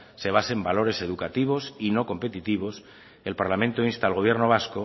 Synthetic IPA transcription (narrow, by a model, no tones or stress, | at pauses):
se̞β̞asembalo̞ɾe̞se̞ðukat̪iβ̞o̞sino̞ko̞mpe̞t̪it̪iβ̞o̞s | e̞lpaɾlamẽnt̪oinst̪aːlɣo̞β̞je̞ɾno̞β̞asko